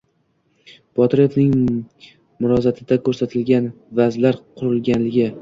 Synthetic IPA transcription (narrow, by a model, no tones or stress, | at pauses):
b̥ɒt̪ɾefnɪŋ | mʊɾɒzat̪ʰɪd̪akʰɵɾsat̪ʰɪlɡʲanvazlaɾqʰʊɾɪlɡʲanlɪɡʲɪ